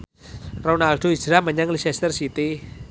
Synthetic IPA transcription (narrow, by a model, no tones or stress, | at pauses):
ronalɖ̥oi̥d͡ʒɾaməɲaŋlisɛst̪ərsit̪i